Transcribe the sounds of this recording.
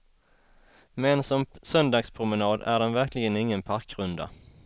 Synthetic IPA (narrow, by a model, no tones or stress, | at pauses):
mɛnsɔmsœnd̪ɑːɡspʰɾʊmɛnɑːd̪æ̰ɖɛnvæɾklɪɡənɪŋːənpʰaɾkɾɵnd̪a̰